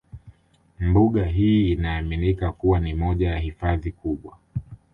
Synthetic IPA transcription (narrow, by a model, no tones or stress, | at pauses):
mbuɠaɦiːnaːminikakuwanimɔʄajahifaðikuɓwa